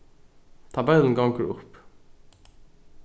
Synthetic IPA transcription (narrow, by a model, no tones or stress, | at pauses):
t̪ʰɑbɛln̩ɡɑŋkəɾʊ̰p